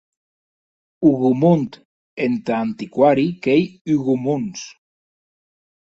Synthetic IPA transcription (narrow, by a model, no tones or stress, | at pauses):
uɣumunt̪ | ent̪aːnt̪ikwaɾikejyɣumuns